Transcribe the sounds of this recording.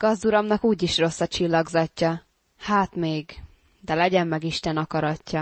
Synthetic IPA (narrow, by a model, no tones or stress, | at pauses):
ɡ̥ɒzd̪uɾɒmnɒkuːɟiʃro̞sːɒt͡ʃilːɒɡzɒcːɒ | haːt̪meːɡ | d̪ɛlɛɟɛmːɛɡiʃt̪ɛnɒkɒɾɒcːɒ